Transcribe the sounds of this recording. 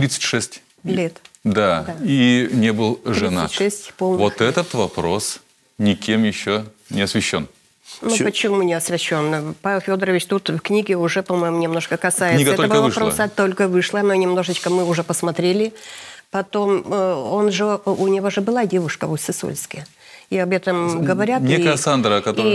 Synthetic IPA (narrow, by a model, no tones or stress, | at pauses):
t̪ɾʲit̪sə̥tʲʂɛsʲtʲ | lʲet̪d̪ad̪ainʲebɨlˠʐɾɨina̰tʲʂʂɛsʲtʲpolˠnvot̪ɛt̪ət̪vɐpɾo̞s | nʲɪkʲemjɪɕːo | nʲɪɐsvʲɪɕːo̞̰n | nupət͡ɕɪmunʲɪɐsvʲɪɕːo̞npavʲɪlˠfʲo̞d̪əɾəvʲɪt͡ɕt̪ut̪fknʲiɡʲɪʊʐɛpɐmo̞jmʊnʲɪmno̞ʂkəkɐsajɪɡ̪ɛt̪oləvɐɨʂɐpɾosɐt̪o̞lʲkəvɨʂlˠənonʲɪmno̞ʐɨt͡ɕkəmɨʊʐɛpəsmɐt̪ɾʲelʲɪpɐt̪o̞mo̞nʐɨʊnʲɪvo̞ʐɨbɨlˠadʲe̞vʊʂkəvosʲɪso̰lʲskɪj | iɐbɛt̪əmɡəvɐɾʲatnʲekəjəsand̪ɾəkɐt̪i